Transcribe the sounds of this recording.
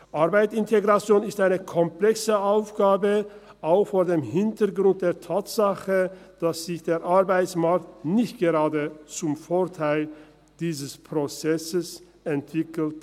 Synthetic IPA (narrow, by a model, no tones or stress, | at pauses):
ʔaɐʁbaɪtsɪnteɡʁat͡sjoːnɪstʔaɪnəkʰɔmplɛksəʔaʊfɡ̥aːbə | ʔaʊxfoːɐdeːmhɪntəɡʁʊnt̚d̥eːɐtʰaːtz̥aχəd̥asz̥ɪçd̥eːɐʔaɐbaɪt͡smaɐk̚tnɪçtɡ̥əʁaːdət͡sʊmfoːɐtʰaɪl | d̥iːzəspʁ̥ot͡sɛsəs | ʔɛntv̥ɪkl̩t